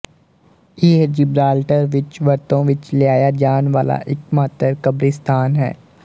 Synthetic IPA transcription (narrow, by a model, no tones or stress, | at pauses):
iːd͡ʒɪbɾaːlʈəɾʋɪt͡ʃʋɐɾt̪õʋɪt͡ʃlɪaːjad͡ʒaːnʋaːla̰ʔɪkmaːt̪əɾkɐbɾɪst̪ʰaːnɦɛ̰ː